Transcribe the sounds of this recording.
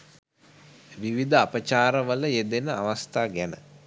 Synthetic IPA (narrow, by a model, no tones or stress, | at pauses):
ʋiʋid̪əapət͡ʃaːɾəʋələjed̪enəaʋast̪aːɡænə̰